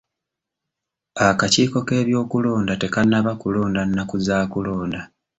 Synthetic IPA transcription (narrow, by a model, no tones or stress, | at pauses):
akaciːko̞ke̞ːβjo̞ːkulo̞ːndate̞kanːaβakulo̞ːndanːakuzaːkulo̞ːnda